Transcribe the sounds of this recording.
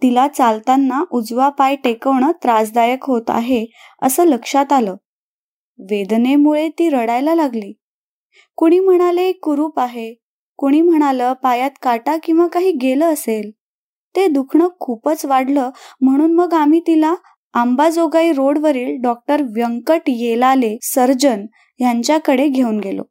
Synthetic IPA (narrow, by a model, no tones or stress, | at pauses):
t̪ilat͡salt̪anːaʔud͡zʋapajʈekəʋɳət̪ɾad͡zd̪ajəkɦot̪a̰ɦe | ə̰səːləkʂat̪aləː | ʋed̪nemuɭet̪iːɾəɽajlalaɡliː | koɽ̃iːm̤əɽ̃aləekːuɾuːpaɦe | koɽ̃iːm̤əɽ̃aləpajat̪kaʈakĩw̃ʋakaɦiːɡeləːsel | t̪ed̪ukʰɳəkʰupət͡sʋaɽ̤ləːm̤əɽ̃uːnməɡam̤iːt̪ilaː | mbad͡zoɡaiɾoɽʋəɾiːlɖɔk̚ʈəɾʋjəŋkəʈjelalesəɾd͡ʑən | jaɲt͡ɕjakəɽeɡʱeuːnɡelo̰